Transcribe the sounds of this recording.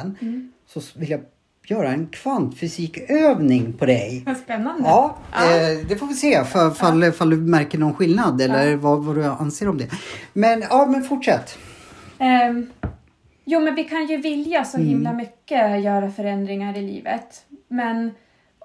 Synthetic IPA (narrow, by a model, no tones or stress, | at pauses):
ən | sɔvɪlja | jœːɾaɛnkʰv̥ant̪fʏsiːkøːvnɪŋpʰɔd̪ɛjspɛnːand̪ɑː | d̪ɛfoːvɪseːfafalːfald̪ɵmæɾkəɳɔnɧɪlnad̪ɛlːəɾvavaɾɵa̰nseːɾɔmd̪ɛmɛnɑːmɛnfʊʈʂɛt̪ː | juːmɛnvɪkʰanjɵvɪljasɔhɪmlamʏkːəjœːɾafœɾɛnd̪ɾɪŋaɾɪlḭːvə̰t̪mɛn